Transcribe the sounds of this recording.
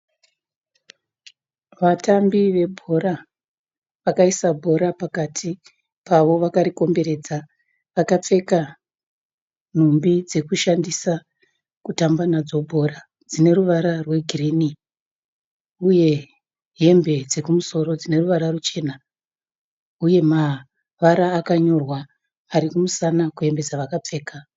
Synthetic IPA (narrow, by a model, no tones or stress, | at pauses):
ʋatambiʋe̞bʱo̞ɾa | ʋakaisabʱo̞ɾapakatʰi | paʋo̞ʋakaɾiko̞mbe̞ɾe̞ːd͡za | ʋakap͡fe̞ka | n̤umbid͡ze̞kuʃandisa | kutambanad͡zo̞bʱo̞ra | d͡zine̞ruʋaɾarwe̞ɡʱiriːni | uje̞ | ɦe̞mbe̞d͡ze̞kumuso̞ɾo̞d͡zine̞ruʋaɾarut͡ʃe̞ːna | uje̞ma | ʋaɾaːkaɲo̞rwaː | ɾikumusanakue̞mbe̞d͡zaʋakap͡fe̞ːka